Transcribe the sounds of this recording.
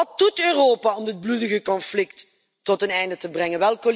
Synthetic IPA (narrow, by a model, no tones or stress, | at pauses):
ɑt̚dutøːroːpaɔmdɪd̚bludəɣəkɔnflɪktː | ɔtənɛjndətəbrɛŋənʋɛlˠkol